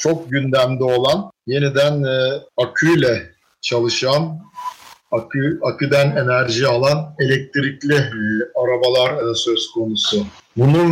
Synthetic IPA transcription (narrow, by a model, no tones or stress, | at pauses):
t͡ʃʰo̞k̚ɟynd̪æmd̪io̞lˠanje̞nid̪ænakʰujlʲɛ | t͡ʃʰalˠɯʃan | akɯakɯd̪æne̞næɾʒialˠane̞lʲɛc̚t̪ʰɾiclʲiaɾabalˠaɾsø̞z̥kʰo̞nusʊ | bunu